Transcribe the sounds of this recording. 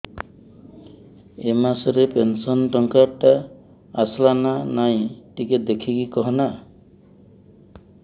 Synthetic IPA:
emasɔɾepensɔnʈɔŋkaɾʈa | aslananaj̃ʈiked̪ekʰikikɔɦɔna

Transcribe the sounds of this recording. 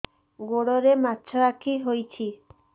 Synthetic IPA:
ɡoɽɔɾematːt͡ʃʰɔɾakʰiɦojt͡ʃʰi

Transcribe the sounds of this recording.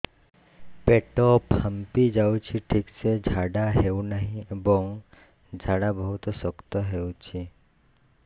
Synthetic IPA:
peʈophəmpid͡ʒaut͡ʃʰiʈʰiksed͡ʒʱaɖaɦeunəɦĩboŋɡ | d͡ʒʱaɽabəɦut̪sɔkt̪oɦeũt͡ʃʰi

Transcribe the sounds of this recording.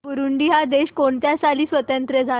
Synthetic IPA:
puɾuɳɖiːɦad̪eɕkoɳt̪jasaliːsʋət̪ənt̪ɾəd͡zʱa

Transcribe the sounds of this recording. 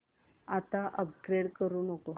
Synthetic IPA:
at̪aʔəp̚ɡɾeɽkəɾuːnəko

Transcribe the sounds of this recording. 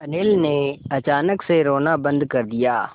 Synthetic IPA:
ɐneːlneɐt͡ʃaːnəkseɾoːnabɐ̃nd̪kɐɾd̪ijaː

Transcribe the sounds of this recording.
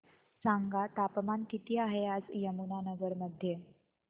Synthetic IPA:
saŋɡat̪apmankit̪iaɦead͡zjəmunanəɡəɾməd̪ʱːje

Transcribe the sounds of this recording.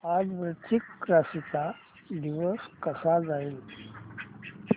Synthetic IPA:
ad͡zʋɾət͡sikːɾasit͡sa | d̪iʋəskəsad͡zail

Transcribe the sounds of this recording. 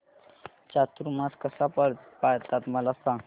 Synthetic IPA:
t͡ʃat̪ɾumaskəsapəɽpajt̪at̪məlasa

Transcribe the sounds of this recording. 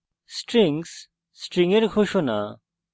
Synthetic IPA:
sʈɾiŋs | sʈɾiŋeɾkʰoʃona̰

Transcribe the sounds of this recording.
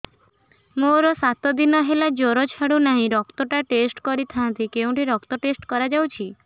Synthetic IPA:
moɾɔsat̪ɔd̪inɔɦelad͡ʒoɾɔt͡ʃʰaɽunaɦĩɾɔkt̪ɔʈaʈesʈkɔɾit̪ʰant̪ikeũʈiɾɔkt̪ɔʈesʈkɔɾad͡ʒawt͡ʃʰi

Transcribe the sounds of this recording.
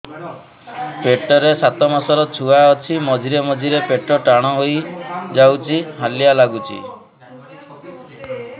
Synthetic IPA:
peʈɔɾesat̪ɔmasɔɾɔt͡ʃʰuaɔt͡ʃʰimɔd͡ʒiɾemɔd͡ʒʱiɾepeʈɔʈaɽ̃ɔɦojd͡ʒawt͡ʃʰiɦaljalaɡut͡ʃʰḭ

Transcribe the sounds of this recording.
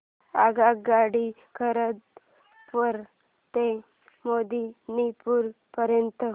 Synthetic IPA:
aɡakɡaɽi | kʰəɾəd̪ | pəɾ | t̪e | mod̪inipuɾ | pəɾjənt̪ə

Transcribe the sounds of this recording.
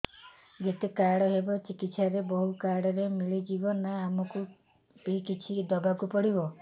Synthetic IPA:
ɡet̪ekaɽɔɦebɔt͡ʃikit̪saɾebɔɦukaɽɔɾemiɭid͡ʒibɔnaːmɔku | pikit͡ʃʰid̪ɔbakupɔɽibɔ

